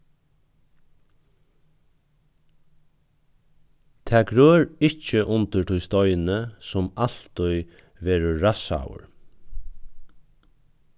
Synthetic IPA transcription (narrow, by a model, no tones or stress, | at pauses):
t̪ʰɛːɡɾøːɾɪt͡ʃəʔʊnt̪ət̪ʰʊjst̪ɔʏnəsʊmal̥t̪ʊj | ʋeːɾəɹasa̰ʊ̰ɹ